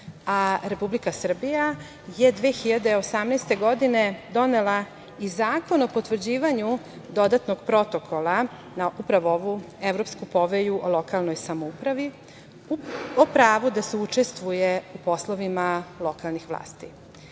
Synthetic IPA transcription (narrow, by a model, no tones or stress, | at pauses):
aɾe̞publikasr̩bija | jed̪ʋeːxiʎad̪e̞osamnejst̪e̞ɡo̞d̪ine̞d̪o̞ne̞la | izaːko̞no̞po̞t̪ʋr̩d͡ʑiːʋaɲu | d̪o̞d̪at̪noɡpɾo̞t̪o̞kʰo̞lˠa | naʔupɾaʋooʋu | eʋɾo̞pskupo̞ʋejuʔolˠo̞kalno̞jsamoupɾaʋi | opɾaːʋud̪aseut͡ʂe̞st̪ʋujeupo̞slˠoʋimalˠo̞kalˠnixʋlˠa̰ːst̪i